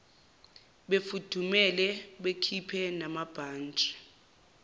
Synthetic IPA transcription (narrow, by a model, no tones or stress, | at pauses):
ɓefud̥ʱumɛlɛɓekʰipʰɛnamab̥ʱaːnt͡ʃʼɛ̥